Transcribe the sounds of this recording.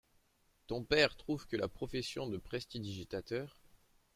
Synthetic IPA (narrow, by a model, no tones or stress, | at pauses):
t̪ɔ̃pɛʁt̪χuvkəla̰pχɔfɛsjɔ̃d̪əpχɛst̪id̪iʒit̪at̪œːʁ